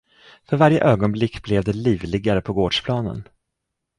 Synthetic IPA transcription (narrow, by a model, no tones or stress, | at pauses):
fœɾvaɾjə̰ʔøːɡɔnblɪkːblɛvd̪ɛliːvlɪɡaɾəpʰɔɡoːɖʂpʰlɑːnə̰n